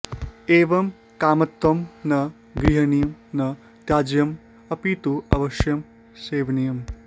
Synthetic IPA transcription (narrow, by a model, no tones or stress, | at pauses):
eːʋɐm | kaːmɐt̪ʋɐmnɐ | ɡɾiɦɐnijɐmnɐ | t̪jaːd͡ʒjɐm | ɐpiːt̪uɐʋɐʃjɐm | seːʋɐnijɐm